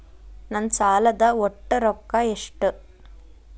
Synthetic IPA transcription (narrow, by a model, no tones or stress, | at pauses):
nɐnt͡ʃaːlɐd̪aɔʈːɯɾɔkːaːɛʂʈɯ